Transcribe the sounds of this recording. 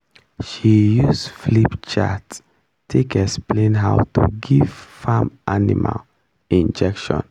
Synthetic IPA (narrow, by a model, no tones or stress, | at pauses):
ʃijusflipt͡ʃatːʰ | ekɛksplẽnɦaʊtṵɡiv̥famʔanḭma̰l | ĩnd͡ʒɛkʃɔ̰̃n